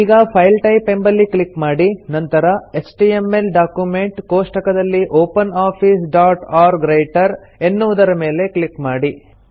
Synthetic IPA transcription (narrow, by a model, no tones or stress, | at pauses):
iːɡɐpʰɐjlʈɐjpe̞mbɐlːiklikmaːɽinɐnt̪ɐɾɐesʈiemːe̞lɖaːkjume̞ɳʈkoːʂʈɐkɐd̪ɐlːiʔoːpɐnaːpʰiːsɖaːʈaːɾɡɾejʈɐɾ | enːuʋud̪ɐɾɐme̞ːle̞kɭikmaːɽi